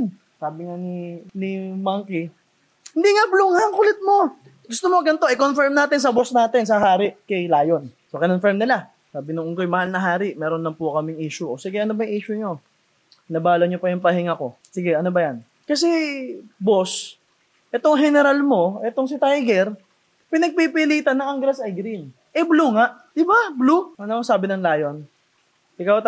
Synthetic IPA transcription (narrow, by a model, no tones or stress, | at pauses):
saːbɪŋaninɪmaŋkɪ | hɪnd̪iŋabluŋaŋkʊlɪt̪̚mo̞ | ɡʊst̪omoɡɐnt̪o̞ʔɪkonfɛɹmnaːt̪ɪns̬ɐbosnaːt̪ɪns̬ɐɦaːɾɪʔkɐjlaːjo̞nsokɪnonfɛɹmnɪla | saːbɪnʊŋʊŋkojmɐhalnɐɦaːɾɪʔmɛːɾonlɐŋpʊkɐmɪŋʔiːʃʊʔosɪɡɛʔɐnobɐjŋʔiːʃʊɲo̞ | nɐbaːloɲopɐjʊŋpɐɦɪŋako̞ | sɪɡɛʔɐno̞bɐjan | kɐs̬ɛ | bos | ʔɛt̪oŋɦɛnɛɾalmo̞ʔɛt̪o̞ŋs̬ɪt̪ajɡɛɾ | pɪnɐɡ̚pipiliːt̪ɐnːɐŋɐŋɡɾɐsʔɐjɡɾin | ʔɛbluːŋaʔd̪̥ɪbabluɐnosaːbɪnɐŋlaːjo̞n | ʔɪkawt̪